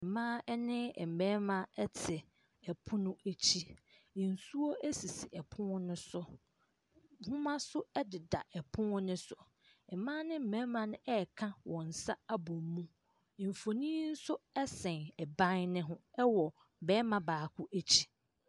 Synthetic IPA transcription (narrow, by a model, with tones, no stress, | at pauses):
mãː˦ɛ˦nɪ̃˦˨m̩˨mɛ̃˦mã˦ɛ˦tʰɪ˨ | ɛ˨pʰʊ̃˦nʊ̃˦æ˨t͡ɕʰi˦ | ɪ̃˨n̩˨su˦o˦ʔæ˦si˨si˨ʔɛ˨pʰʊ̃˦ʊ˦nʊ̃˦sʊ˦ | hʊ̃˦mã˦sʊ˦ɛ˦dɪ˨da̰˨ʔɛ˨pʰʊ̃˦nʊ̃˦sʊ˨ | ɛ˨mãː˦nɪ̃˦m̩˦˨mɛ̃˦mã˨nʊ̃˦ʔɛ˦˨kʰã˦wɔ̃˨n̩˨sa˦a˦bo˨mũ˦˨ | m̩˨fo˨nĩ˦n̩˦sʊ˦ɛ˦sɛ̃˨nɛ˨bã˦nnɪ̃˦ɦʊ̃˦ɛ˦wɔ˨ | m̩˨bɛː˦mã˨baː˨kʰʷʊ˦ʔæ˦t͡ɕʰi̥˦